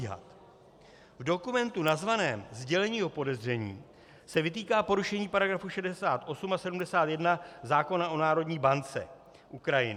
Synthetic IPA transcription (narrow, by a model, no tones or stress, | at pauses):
ɦa̰t̪ | vdo̞kumɛnt̪unazvanɛːmzɟɛlɛɲiːɦo̞po̞dɛzr̝ɛɲḭː | sɛvɪt̪iːkaːpo̞ɾuʃɛɲiːpaɾaɡɾafuʃɛdɛsaːt̪ʔo̞sumasɛdumdɛsaːt̪jɛdnazaːko̞naʔo̞naːɾo̞dɲiːbant͡sɛ̰ | ʔukɾajɪ̰n